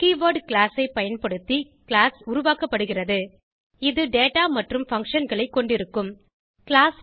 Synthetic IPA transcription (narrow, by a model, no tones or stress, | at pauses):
kiːʋoːɾɖkɭaːsɐɪpɐjɐnpɐɽɯt̪ːi | kɪɭaːsʊɾʊʋaːkɐpːɐɽɯɣɪrɐðɯ | ɪðɯɖeːʈaːmɐʈrɯmfɐŋkʂɐnɡɐɭɐɪkːɔɳɖɪɾɯkːɯm | kɪɭaːs